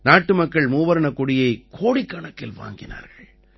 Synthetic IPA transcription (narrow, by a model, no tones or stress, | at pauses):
naːʈːɯmɐkːɐɭmuːʋɐɾɐɳɐkːʊɽɪjɐɪkʰoːɽikːɐɳɐkːɪlʋa̰ːŋɡɪna̰ːɾɣɐɭ